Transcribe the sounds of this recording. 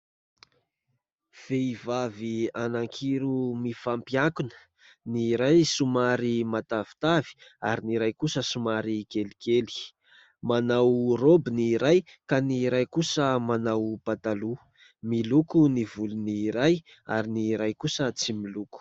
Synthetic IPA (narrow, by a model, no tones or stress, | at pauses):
v̥eivavianaŋkʰiɾumifampiakunə̥ | niɾajsumaɾimat̪avi̥t̪avi̥aɾiniɾajkusəsumaɾikelikeli̥ | manawrobiniɾajkaniɾajkusəmanawpat̪alu | milukunivuluniɾaj | a̰ɾiniɾajkusət͡similuku̥